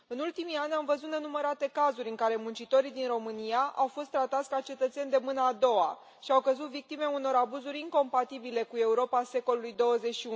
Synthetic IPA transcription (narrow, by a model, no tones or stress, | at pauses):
ɨnult̪imianʲamvəzut̪ne̞numəɾat̪e̞kazuɾʲɨŋkaɾe̞munt͡ʃit̪o̞ɾid̪inɾo̞mɨniaʔawfo̞st̪ːɾat̪at̪sʲkat͡ʃe̞t̪ət̪se̞nʲd̪e̞mɨnəːd̪o̞wa | ʃiawkəzut̪vik̚t̪ime̞uno̞ɾabuzuɾʲiŋko̞mpat̪ibile̞kue̞uɾo̞pase̞ko̞lulujd̪o̞wəze̞t͡ʃʃiu